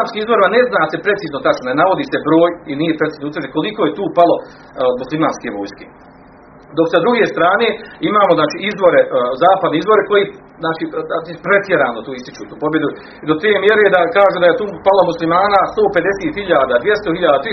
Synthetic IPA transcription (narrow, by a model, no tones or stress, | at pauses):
aːmskiːizboɾimane̞znaːse̞pɾe̞t̪siːznot̪at͡ʃnonenaʋo̞d̪iːse̞bɾoːjinijepɾeiːznout̪ʋɾrd͡ʒenko̞likoje̞t̪uːpalo̞ | d̪muslˠimaːnskeʋoːjske | d̪o̞ksad̪ɾuɡeːst̪ɾaːneːimaːmoznaːt͡ʃiːizbo̞ɾe̞zaːpad̪neizbo̞ɾe̞ko̞ji | znaːt͡ʃiːd̪apɾe̞t̪jeɾaːnot̪uːist̪it͡ʃut̪uːpo̞bje̞d̪u | d̪o̞t̪eːmje̞ɾed̪akaːʒuːd̪ajet̪uːpalo̞muslimaːnaːst̪oːped̪e̞seːt̪hiʎaːd̪aːd̪ʋjest̪ohiʎaːd̪aːt̪ɾi